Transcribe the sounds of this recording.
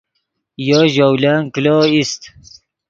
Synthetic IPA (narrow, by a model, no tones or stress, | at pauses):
joʑowlaːŋkiloːist̪